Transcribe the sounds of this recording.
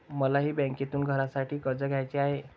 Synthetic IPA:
məlaɦiːbɛ̃ŋket̪uːnɡʱəɾasaʈʰiːkəɾd͡zəɡʱjajt͡ɕeaɦe

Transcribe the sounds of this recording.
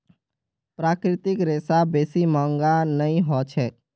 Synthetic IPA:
pɾaːkɾɪt̪ɪkɾeːsabeːsimãːŋɡanəĩɦɔt͡ʃʰɛː

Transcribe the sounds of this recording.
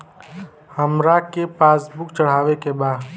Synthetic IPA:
həmɾakepaːsbʊkt͡ʃəɽ̤aːʋekebaːd̪

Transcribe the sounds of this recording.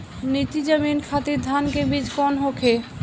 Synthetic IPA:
nit̪id͡ʑəminkʰat̪iɾd̪ʱankebid͡ʑkɔnɦokʰe

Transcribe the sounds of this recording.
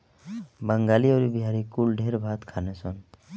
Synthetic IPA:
bə̃ŋɡaːlioːɾibiɦaːɾikulɖʱeːɾbʱaːt̪kʰaːneson

